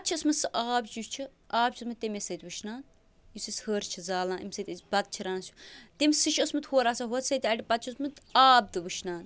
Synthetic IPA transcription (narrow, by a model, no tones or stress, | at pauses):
pɐt̪̚t͡ʃʰiosmɨsɨʔaːbt͡ʃut͡ʃʰɨ | aːb̚t͡ʃʰːsmɨt̪emesɐt̪ʲʋɨʃnaːn | jisishəːɾt͡ʃʰizaːlãːʔimsɐt̪ʲbɐd̪̚t͡ʃʰiɾaːnsju̥t̪emʲsɨʃʰosmɨt̪hoːɾaːsaɦot̪sɐjt̪ʲɐʈipɐt̪̚t͡ʃʰismɨt̪aːb̚d̪ɨʋɨʃnaːn